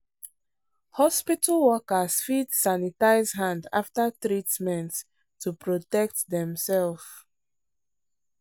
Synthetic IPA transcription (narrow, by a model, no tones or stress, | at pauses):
hɔspitəlwɔkəz̥fidsanitaɪzɦãnda̰ftatɹitmɛ̃nt | tʰːupɹɔtɛk̚tdɛ̃msɛlf